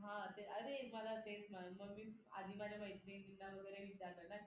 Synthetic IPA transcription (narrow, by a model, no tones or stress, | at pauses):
ɦãt̪eəd̪eməlat̪esmaməɡmiːa̰d̪ʱiːmad͡ʑeməjt̪neɡilnaʋəɡəjɾeʋit͡ɕaɾlana